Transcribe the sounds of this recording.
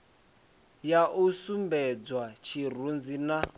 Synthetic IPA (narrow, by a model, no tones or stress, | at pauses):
jaʔusumbɛd͡zwat͡ʃʰir̤und͡zina